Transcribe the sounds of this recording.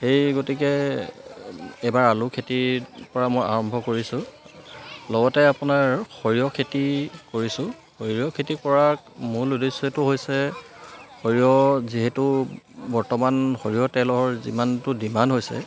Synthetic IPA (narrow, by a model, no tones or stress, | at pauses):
xejɡotikɛ | ɛjbaɹalʊkʰetipɔɹamoja̰ɹɔmbʱɔkoɹisʊ̃ | lɔɡɔtɛapʊnaɹxoɹijɔkʰetikoɹisʊ̃ | xoɹijɔkʰetipɔɹakmuludesetuɦojsɛ | xoɹijɔziɦɛtubɔɹtɔmanxoɹijɔtɛlɔɔɹzḭmantʊdimanɦojsɛ̰